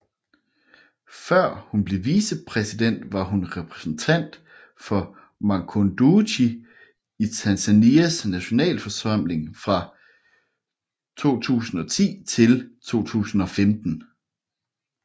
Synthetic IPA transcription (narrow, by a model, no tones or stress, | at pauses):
fɶɐ̰hunb̥le̝ʋiːsəpʰʁɛsid̥en̰d̥ʋɑ̈ɦunʁɛpʰʁɛsn̩t͡sʰæn̰d̥ | fɒ̽ | mɑkʰond̥uɕi | it͡sʰænsæniæsnæɕo̝nɛ̰ːlfɒ̽sɑm̰le̝ŋfʁɑ̈ | t͡sʰo̝̰ːt͡sʰṵːsn̩ɒ̽t͡sʰḭːt͡sʰe̝lt͡sʰo̝̰ːt͡sʰṵːsn̩ɒ̽femd̥n̩